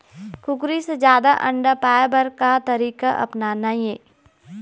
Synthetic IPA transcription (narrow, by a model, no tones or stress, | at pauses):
kʰʊkɾised͡ʒjaːd̪aʔɐ̃ɳɖapaːjbəɾkat̪ɐɾiːkaʔɐ̰pnanaːjeː